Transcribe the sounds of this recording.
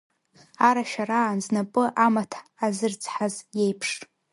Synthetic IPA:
aɾaʃaraːnznapʼɨʔamatʰaːzɨrt͡sʰʼħazje̞jpʰʂʼ

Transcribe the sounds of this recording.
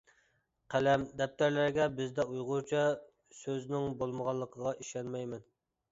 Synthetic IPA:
qʰælɛmd̪ɛp̚t̪ʰæɾlæɾɡʲɛbɪzd̪ɛujʁʊt͡ʃʰɑ | søznɪŋbolˠməʁɑlˠːəqʰəʁɑʔiʃɛnmɛjmɛn

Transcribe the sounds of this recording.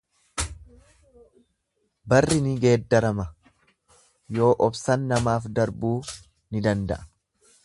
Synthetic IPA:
bɐrːɪnɪɡe̞ːd̪ːɐɾɐmɐ | jo̞ːʔɔbsɐnːɐmaːfd̪ɐɾbuː | nɪd̪ɐnd̪ɐ̰ʔɐ̥

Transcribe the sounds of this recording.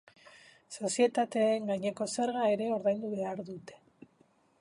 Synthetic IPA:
so̞sie̞t̪at̪e̞ːŋɡajɲe̞ko̞se̞ɾɣae̞ɾe̞o̞ɾðajnd̪uβe̞aɾðut̪e̞̥

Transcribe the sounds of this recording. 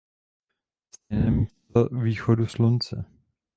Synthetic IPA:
sɛnɛmist̪aviːxoduslunt͡sɛ̰

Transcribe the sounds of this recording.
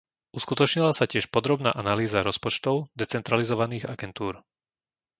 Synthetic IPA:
uskut̪ɔt͡ʃɲilasacɪɛʃpɔd̪ɾɔbna̰ːʔanaliːzaɾɔspɔt͡ʃt̪ɔʊd̪ɛt͡sɛnt̪ɾalizɔʋaniːɣa̰ɡɛnt̪uːɾ

